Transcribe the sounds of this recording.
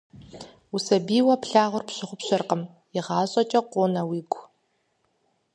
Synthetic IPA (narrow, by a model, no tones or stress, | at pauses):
usɐbiːwɐpʰɬaːʁʷʊrpɕɪχʷʊpɕɐrqəm | jɪʁɑːɕʼɐt͡ʃʼɐqʷoːnɐwiːɡʷʰʼ